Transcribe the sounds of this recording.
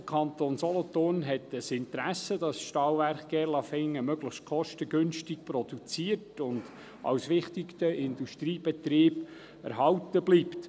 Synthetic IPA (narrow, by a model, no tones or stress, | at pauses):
əkʰɑnt̪oːnsɔlɔtoːnɦɛtəsɪntɾæsədɑsʃtɑːlvæɾχɡ̥ɛlɑfɪŋːəmœɡləχʃt̚kʰɔʃtəɡʏnʃtɪk̚pɾɔd̥ut͡siːərtʊnd̥ | ʔɑ̰wsʋɪχtɪktəɪnduʃtɾiːb̥ɛt̪ɾiːb | ɛ̰ɾɦɑwtəbliːpt